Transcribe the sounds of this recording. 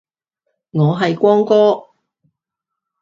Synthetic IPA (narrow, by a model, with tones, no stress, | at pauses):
ŋɔː˨˧ɦɐ˨jkʷɔː˥ŋkɔː˥